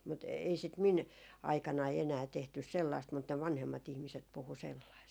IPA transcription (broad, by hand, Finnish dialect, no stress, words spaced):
mut ei sit min ɑikɑnɑi enæː tehtys selːɑist mut ne ʋɑnhemːɑt ihmiset puhu selːɑist